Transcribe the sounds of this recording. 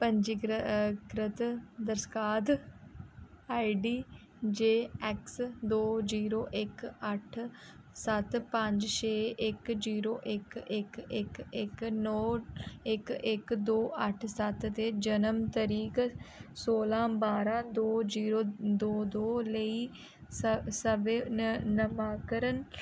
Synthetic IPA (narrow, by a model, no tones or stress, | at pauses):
pəɲd͡ʒiɡkɾɪt̪d̪əɾskaːt̪ | aːiɖiː | d͡ʒeːɛksd̪oːziːɾoːʔɪkəʈʰsət̪pə̃ɲd͡ʒʃeːɪkd͡ʒiːɾoːʔɪkɪkɪkɪknɔːɪkɪkd̪oːʔəʈʰsət̪t̪eːd͡ʒənəmt̪əɾiːksoːlãːbaːɾãːd̪oːd͡ʒiːɾoːd̪oːd̪oːləiː | səbenəmaːkəɾən